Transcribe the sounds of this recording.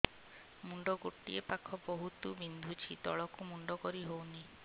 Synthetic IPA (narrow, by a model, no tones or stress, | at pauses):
muɳɖɔɡoʈːḭepakʰɔboɦut̪ubind̪ʱut͡ʃʰit̪ɔ̰ɭɔkumuɳɖɔkɔɾiɦowni